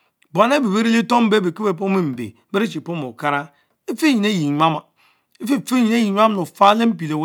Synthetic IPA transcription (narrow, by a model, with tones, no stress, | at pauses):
ba˨ne˦bi˨be˦ɾi˦li˦to˦m̩˦be˦be˨ki˦be˨p̬o˦i˦˨m̩˨bḛ˨˦e˦ɾi˦t͡ʃi˨po˦m˨o̰˨ka˦ɾa˦ | e˦fe˦ɲi˨ne˦ji˨ɲʷa˦ma˨˦ | fi˦˨fe˦i˨ne˦ji˨ɲʷ˦a˦m˦no˨fa˦le˦m̩˦pi˨le˨w